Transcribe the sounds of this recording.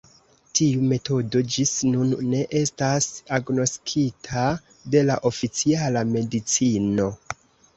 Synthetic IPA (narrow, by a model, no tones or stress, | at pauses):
tiume̞to̞do̞d͡ʒisnunːe̞ʔe̞stasaɡno̞skʰitʰa | de̞laʔo̞fit͡sialame̞dit͡sino̞